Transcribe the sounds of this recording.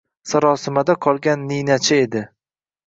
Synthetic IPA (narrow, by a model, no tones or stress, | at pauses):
saɾɒːsɪmad̪aqʰɒlˠɡʲanːijnat͡ʃʰɪed̪ɪ